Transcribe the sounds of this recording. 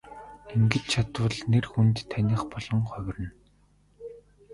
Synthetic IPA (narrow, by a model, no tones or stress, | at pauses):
eŋɡɘ̆t͡ɕ̪̚t͡ɕʰat̪wə̆ɮnerxunt̪ʰːanʲĭχpɔɮɞ̆ŋχœwʲrɘ̆n